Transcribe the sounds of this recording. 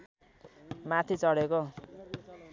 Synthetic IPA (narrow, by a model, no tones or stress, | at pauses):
mat̪ʰit͡sʌɽeko